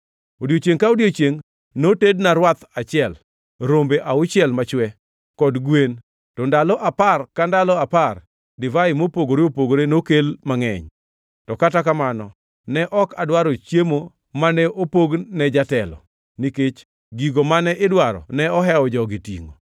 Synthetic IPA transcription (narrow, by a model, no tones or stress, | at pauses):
odjot͡ʃjeŋkaodjot͡ʃjeŋ | notednaɾwat̪at͡ʃɪɛl | ɾombeʔaʊt͡ʃɪɛlmat͡ʃwɛ | kɔdɡwen | tɔndalɔʔaparkandalɔapar | dɪvaɪmopoɡoɾeopoɡoɾenokelmaŋɛ̰ɲ | tɔkatakamanɔ | nɛʔɔkadwaɾot͡ʃjemo | manɛʔopoɡnɛd͡ʒatɛlɔ̰ | niket͡ʃ | ɡiɡomanɛʔɪdwaɾɔ̰nɛɔɦɛɔd͡ʒɔɡitḭŋo̰